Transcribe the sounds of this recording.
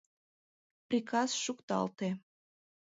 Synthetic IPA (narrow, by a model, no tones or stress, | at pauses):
prʲikɑsʃukt̪ɑ̰lt̪e